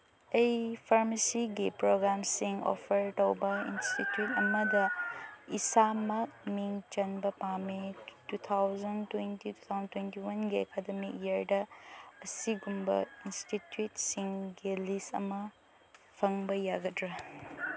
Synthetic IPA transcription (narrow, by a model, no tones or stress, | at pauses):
ɐjpʰaɾmɐsiɡipɾoɡɾamsiŋo̰pʰɐɾtɐwbɐḭnstitjutɐmɐdɐisamɐk̚miŋt͡ʃɐnbɐpametut̪ʰawzɐntwentitu̥t̪ʰawzɐntwentiwɐnɡiekademik̚jiɐɾdɐːsiɡumbɐ̰institjutsiŋɡilistɐ̰mɐ | pʰɐŋbɐjaɡɐtɾɐ